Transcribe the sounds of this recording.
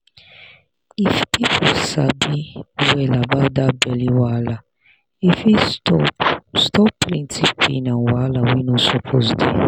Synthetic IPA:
ifpipʰusabiwɛlabadabɛliwala | ifi | stɔpɾĩntipḭnãnwalawinɔ̃sɔpʰozdḛ

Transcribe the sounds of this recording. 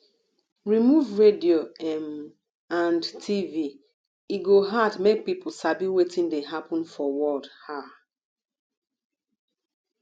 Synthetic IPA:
ɹimuvɹedioɛm | ãndtʰivi | iɡoɦadmek̚pipl̩sabiwetĩndeɦapɔ̃nfɔwɔdha

